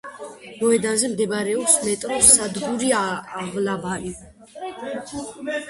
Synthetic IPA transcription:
mɔɛd̪anzɛmd̪ɛbɾɛɔpsmɛt̪ʼɾɔsːad̪ɡuɾiaːʁlabaɾi

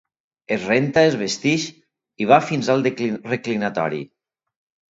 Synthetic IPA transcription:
ezrent̪aezβest̪iʃ | iβ̞afinzalˠd̪eklireklinat̪ɔ̰ɾḭ

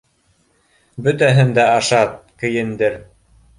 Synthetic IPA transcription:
bɵ̆t̪æɦɘnd̪æɑʃɑt̪̚kɘ̆jɘ̆nd̪ɘɾ

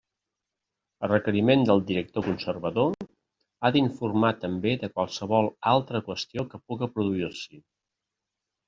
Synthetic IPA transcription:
ərəkəɾimend̪əlˠd̪iɾək̚t̪okunsərβəðo | aðiɱfurmat̪əmbeðəkwalˠsəβɔlˠalˠt̪ɾəkwəst̪iokəpuɣəpɾuðuirsi

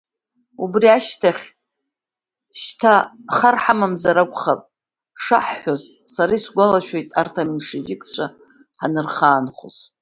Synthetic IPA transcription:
ubriaʃtʰaχʲ | ʃtʰaχarħamamzaɾakʷʼχapʼ | ʂa̰ħːoz | saɾajsɡʷalaʃᶣojtʼartʰamyʂed͡ʒʲɪkʰʼt͡ɕʷʰa | ħanɨrχaːnχo̰z̥

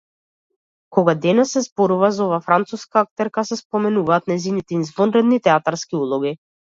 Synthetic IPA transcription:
kɔɡad̪ɛnɛsɛzbɔɾuvazɔvaːfɾant̪suskaak̚t̪ɛɾkasɛspɔmɛnuvaːt̪nɛjzinit̪ɛinzvɔnɾɛd̪nit̪ɛat̪aɾskiulˠɔɡi

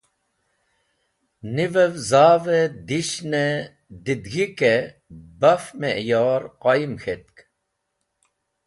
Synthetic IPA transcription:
nivəvzaːved̪iɕne | d̪id̪ɡike | bafmeʔjɑːɾqɑjimxet̪̚k

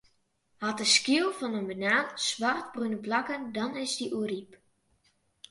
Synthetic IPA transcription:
hɔtəskiəlˠfɔnənbənaːnsʋart̚brunəblɑkəndɔnɪzdiʔuərip

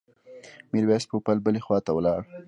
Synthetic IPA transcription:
miɾwɑspopalbəlexwɑt̪awəlɑɽ

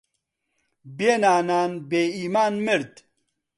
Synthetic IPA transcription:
benaːnaːnbeːiːmaːnmɨɾd̪

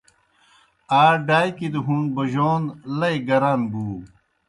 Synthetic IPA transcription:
aːɖaːjkid̪uɦunbɐʑoːnlɐjɡɐɾaːnbuː

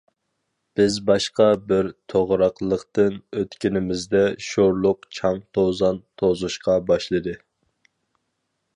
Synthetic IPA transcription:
b̥ɪzbɑʃqɑbɪɾt̪ʰoʁɾɑqlˠəqt̪ɨnøt̪kʲinɪmɪzd̪ɛʃoɾlˠʊqt͡ʃʰɑŋt̪ʰozɑnt̪ʰozuʃqɑbɑʃlˠɨd̪ɨ

